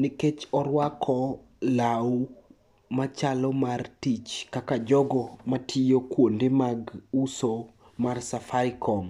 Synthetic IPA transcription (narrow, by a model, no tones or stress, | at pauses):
niket͡ʃɔɾwakʰɔ | law | mat͡ʃalɔmartit͡ʃkakad͡ʒɔɡɔmatʰijokwondemaɡuso | marsafajkʰɔm